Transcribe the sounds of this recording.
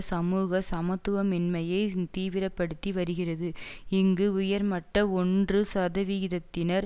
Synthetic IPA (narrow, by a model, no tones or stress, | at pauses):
sɐmuːɣɐsɐmɐt̪ːɯʋɐmɪnmɐjɐɪt̪iːʋɪɾɐpːɐɽɯt̪ːiʋɐɾɯɣɪrɐðɯɪŋɡɯʊjɐɾmɐʈːɐɔndrɯsɐðɐʋɪɣɪðɐt̪ːɪnɐɾ